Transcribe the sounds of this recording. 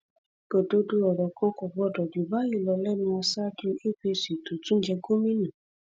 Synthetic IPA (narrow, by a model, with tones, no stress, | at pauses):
ɡ̥o˨do˧˦du˧ɔ˨ɾɔ˨kã˧˦kɔ˨ɡ͡bɔ˧˨dɔ˨du˨˦ba˦i˦˨lɔ˧lɛ˦nĩ˧a˧sa˦du˦e˦pe˧˨si˨to˨tũ˦n̩˦d͡ʒɛ˧ɡo˦mĩ˦nã˨